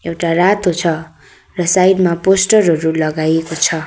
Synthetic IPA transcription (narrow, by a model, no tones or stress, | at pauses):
ewʈarat̪ɦot͡sʰʌ | rʌsajɖmaposʈʌrɦʌɾulʌɡajekot͡sʰʌ